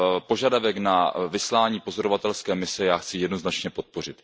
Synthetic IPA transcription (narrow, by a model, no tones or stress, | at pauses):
po̞ʒadavɛknavɪslaːɲiːpo̞zo̞ɾovat̪ɛlskɛːmɪsɛjaːxt͡sɪjɛdno̞znat͡ʃɲɛpo̞t̪̚po̞r̝ɪt̪